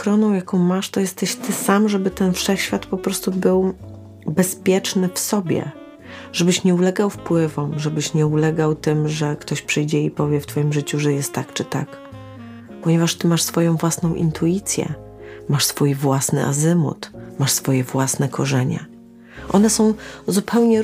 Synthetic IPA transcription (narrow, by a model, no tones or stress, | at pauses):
kɾɔnɔ̃w̃jakɔ̃w̃maʂt̪ɔjɛst̪ɛɕt̪ɘsamʐɛbɘt̪ɛnfʂɛxɕfʲjat̪pɔpɾɔst̪ubɘw | bɛspʲjɛt͡ʂnɘfsɔbʲjɛ̰ | ʐ̥ɛbɘɕɲɛulɛɡawfpwɘvɔmʐɛbɘɕɲɛulɛɡawt̪ɘmʐɛkt̪ɔɕpʂɘjd͡ʑɛipɔvʲjɛft̪fɔjimʐɘt͡ɕuʐɛjɛst̪ːakt͡ʂɘt̪ak | pɔɲɛvaʂt̪ɘmaʂsfɔjɔ̃w̃vwasnɔ̃w̃ʔḭnt̪ʰuit̪sʲjɛ̰ | maʂsfujvwasnɘ̰ʔa̰zɘmṵt̪maʂsfɔjɛvwasnɛkʰɔʐɛɲɛ̰ | ʔɔnɛsɔ̃w̃zupʰɛwɲɛ